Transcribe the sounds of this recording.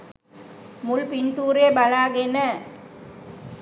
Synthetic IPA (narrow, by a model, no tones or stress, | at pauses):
mʊlpɪnt̪uːɾeːbɐlaːɣenɐ